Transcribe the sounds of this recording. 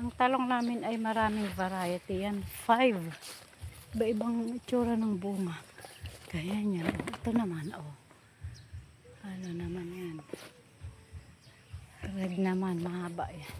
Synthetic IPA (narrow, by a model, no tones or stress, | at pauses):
ʔaŋt̪aloŋnaːmɪnajmɐɾaːmɪŋvaɾajat̪ɪjanfajv | baʔɪbaŋɪt͡ʃuɾanaŋbuːŋaʔɡ̥ajaɲanʔoɪt̪onɐmano | anonɐmanjan | ɾɛd̪̚nɐmanmɐhaːba̰ʔjan